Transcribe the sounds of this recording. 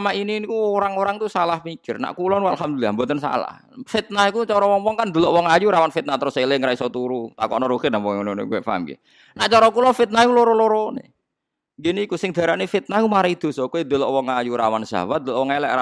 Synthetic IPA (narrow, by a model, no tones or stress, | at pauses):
maininikuoɾaŋoɾaŋt̪usalahmikɪrna̰ʔkulɔnwalhamd̪ulilambɔt̪ənsa̰la̰h | fit̪̚nahikut͡ʃɔɾɔwɔŋwɔŋkand̪əlɔʔwɔŋajuɾawanfit̪̚nat̪əɾʊselɪŋɾaisɔt̪uɾut̪a̰kɔ̰ʔnɔɾukɪnawɔnonḛkuwɛʔfaɦa̰mkḭ | naʔt͡ʃɔɾɔkulɔfit̪̚najuloɾɔloɾɔnḛ | ɡinikusɪŋd̪̥a̤ɾanefit̪̚nakumaɾaid̪̥o̤sɔkuid̪əlɔʔwɔŋajuɾawand͡ʒ̥a̰wad̪əlɔʔwɔŋelɛ̰ʔa